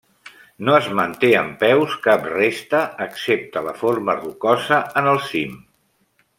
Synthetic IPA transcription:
noəzmənt̪eəmpɛwskaprest̪əːksep̚t̪ələfoɾmərukɔzəənəlˠsim

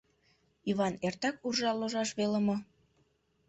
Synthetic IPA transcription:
iβɑnert̪ɑkurʒɑloʒɑʃβelə̆mɤ̆

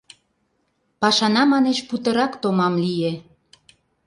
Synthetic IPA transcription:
pɑʃɑnɑmɑneʃput̪əɾɑkt̪omɑmlije

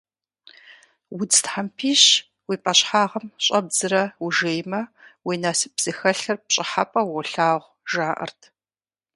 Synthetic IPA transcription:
wʊd͡ztħampʰiːɕ | wiːpʼɐɕʼħaːʁɐmɕʼɐb̚zɨɾɐwuʒeːjmɐwiːnaːsɨpz̥ɨxɐɬɐrpɕʼɪħapʼɐwɔɬaːʁʷ | ʒaːʔɐ̰rtʰ

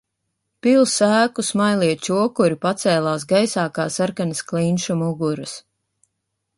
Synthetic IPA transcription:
pilˠsæːkusmajlˠiɛt͡ʃuɔkuɾipat̪sɛːlˠaːsɡajsaːkaːsaɾkanɐsklinʃumuɡuɾɐs

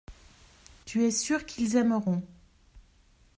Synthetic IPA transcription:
t̪yɛsyʁkʰilzɛmʁɔ̃

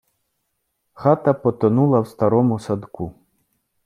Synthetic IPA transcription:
xat̪ɐpɔt̪ɔnulˠɐwst̪ɐɾɔmʊsad̪ku

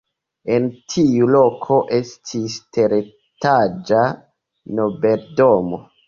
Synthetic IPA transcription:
e̞ntʰiulo̞kʰo̞ʔe̞stʰistʰe̞ɾe | tad͡ʒa | no̞be̞ldomo

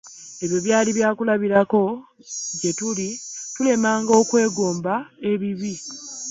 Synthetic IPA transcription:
e̞βjo̞βjaːliβjaːkulaβiɾako̞ɟe̞tulitule̞maːŋɡo̞ːkwe̞ːɡo̞ːmbae̞βiβi

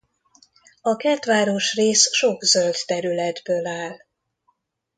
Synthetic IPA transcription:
ɒkɛt̪ʋaːɾoʃreːsʃo̞ɡzølt̪t̪ɛɾylɛd̪bøːlaːl

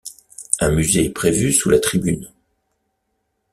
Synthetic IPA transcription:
ɛ̃myzeɛpχevysulat̪χibyn

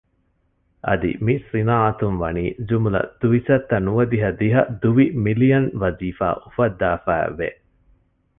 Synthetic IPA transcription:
ʔɐ̰d̪ḭmisinaːɐt̪unʋɐniːd͡ʒumulɐ̰d̪̥uʋisɐt̪ːɐnuʋɐd̪iɦɐd̪iɦɐd̪uʋimilijɐnʋɐziːfa̰ːʔufɐd̪ːaːfæ̰ːʋḛ

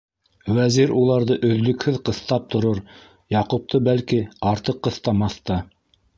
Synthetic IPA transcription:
wæziɾulˠɑɾðɤʔɵ̆ðlɵ̆khɘðqɤ̆θt̪ɑp̚t̪ŏɾoɾ | jɑqup̚t̪ʰɤbælkiɑɾt̪ɤqːɤ̆θt̪ɑmɑθt̪ɑ

